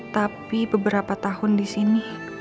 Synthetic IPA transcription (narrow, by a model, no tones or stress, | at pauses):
t̪apibəbəɾapat̪ahʊndisini